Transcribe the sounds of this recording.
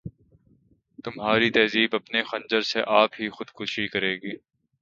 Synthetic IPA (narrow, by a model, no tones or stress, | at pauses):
t̪ʊmɦaːɾit̪ɐːziːbɐpnexɐ̃nd͡ʒəɾseʔaːpɦixʊd̪kuːʃikɐɾeːɡiː